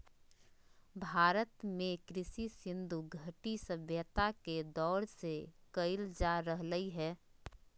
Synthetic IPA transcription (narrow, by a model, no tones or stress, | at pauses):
bʱaːɾət̪mẽkɾɪsisɪ̃nd̪ʱuɡʱəʈisəbʱjət̪aked̪ɔːɾsekəɪld͡ʒaɾəɦləiɦɛː